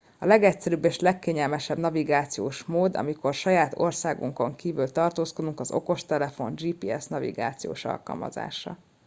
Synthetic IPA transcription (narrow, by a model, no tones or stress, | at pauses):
ɒlɛɡɛcsɛɾyːbːeːʃlɛkːeːɲɛlmɛʃɛbnɒviɡaːt̪sijoːʃmoːd̪ɒ̰miko̞rʃɒjaːt̪o̞̰rsaːɡṵŋko̞̰ŋkiːvylt̪ɒrt̪oːsko̞d̪uŋkɒzo̞̰ko̞ʃt̪ɛlɛfo̞nd͡ʒiːpiːɛsnɒvḭɡa̰ːt̪sijo̰ːʃɒ̰lkɒ̰lmɒ̰za̰ːʃɒ̰